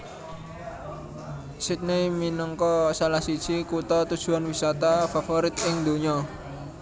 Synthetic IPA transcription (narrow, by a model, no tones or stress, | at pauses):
sɪt̪̚neminɔŋkɔsalahsid̥ʒ̥ikut̪ɔt̪ud̥ʒ̥ṳanwisat̪afafoɾɪt̪ɪŋd̪o̤ɲɔ